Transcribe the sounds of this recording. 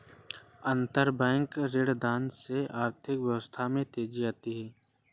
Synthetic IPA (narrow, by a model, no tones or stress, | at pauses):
ə̃nt̪əɾbɛ̃ːŋkɾeːɽd̪aːnseaːɾt̪ʰɪkʋjəʋəst̪ʰamẽt̪eːd͡ʒid͡ʒaːt̪iɦɛː